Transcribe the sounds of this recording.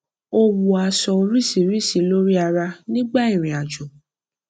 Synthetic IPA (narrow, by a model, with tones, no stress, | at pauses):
o˦wu˨a˧sɔ˧o˧ɾi˦si˨ɾi˦si˨˦lo˦ɾi˦a˧ɾa˧nĩ˦ɡ͡ba˦˨ĩ˦˨ɾ̃ĩ˨a˨d͡ʒo˨